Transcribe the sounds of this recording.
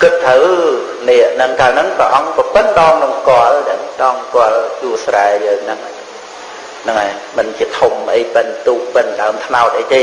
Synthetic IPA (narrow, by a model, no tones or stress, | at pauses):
kɨt̪̚ʰːəw | nɛəʔnɨŋkaːlnɨŋprɛʔɑŋpɑpɨnɗɑːŋnɨŋskŏəlɗɛ̆ɗɑːŋskŏəljuəsraɛjəːŋnɨŋ | nɨŋajmɨnt͡ɕiət̪ʰomʔəjpɨnt̪uːk̚pɨnɗaəmt̪ʰnaɔt̪̚ʔəjt̪eː